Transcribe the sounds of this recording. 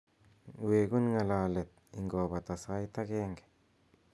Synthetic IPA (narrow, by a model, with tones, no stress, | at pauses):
weː˨ɡu˦nŋa˨laː˨le˨t̪̚ḭ˨ŋɡoː˨ba˨t̪a˨sa˦jt̪a˦keː˦ŋɡe̥˨